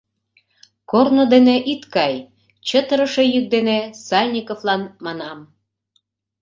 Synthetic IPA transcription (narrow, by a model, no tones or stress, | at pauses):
kornod̪eneʔit̪kɑj | t͡ɕət̪əɾəʃejyk̚d̪enesɑlʲnʲikovlɑnmɑnɑm